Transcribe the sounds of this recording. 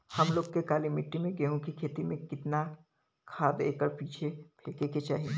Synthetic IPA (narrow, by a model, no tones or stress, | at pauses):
hɐmloːɡ̚kekaːlimɪʈːimẽɡeɦũkikʰeːt̪imẽkɪt̪na | kʰaːd̪ḛːkəɾpiːt͡ʃʰepʰeːkeket͡ʃa̰ːɦiẽ